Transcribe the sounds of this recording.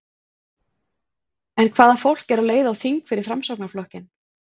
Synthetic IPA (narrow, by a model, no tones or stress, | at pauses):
ɛnkʰvaːðafowl̥cɛɾawleːjðaːwθiŋkfɪɾɪɾ̥fɾamsowknaɾ̥flɔhcɪn